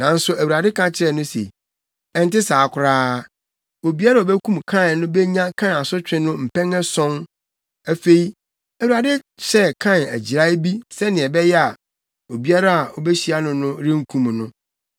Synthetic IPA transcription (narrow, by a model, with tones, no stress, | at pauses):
nã˨n̩˦sʊ˦æ˨wu˨a˨dɪ˦kʰã˦t͡ɕʰɪ˦ɾɛ˦˨nʊ̃˦sḛ˨ | ɛ˨n̩˦tɪ˦saː˨kʰʷʊ˨ɾaː˦ | o˨bi˦a˦ɾa˨o˨bɛ˦kʰũ˦mkʰã˦˨n˨nʊ̃˦bɛ˦ɲã˦kʰã˦n˨a˨sʊ˦t͡ɕᶣɪ̃˦nʊ̃˦m̩˨pʰɛ̃˦ŋɛ̃˦sɔ̃˦n | æ˨fe˦i˦ | æ˨wu˨ɾa˨dɪ˦ | ɕɛ˦kʰã˦˨næ̰˨d͡ʑi˨ɾa˦ɪ˦bi˦sɛ˦nɪ̃˨ɛ˨bɛ˦jɛ˦a˨ | o˨bi˦a˦ɾa˦a˨o˨bɛ˦ɕi˦a˦nʊ̃˨nʊ̃˦ɾɪ̃˦ŋ̩˦kʰũ˦˨m˨nʊ̃˦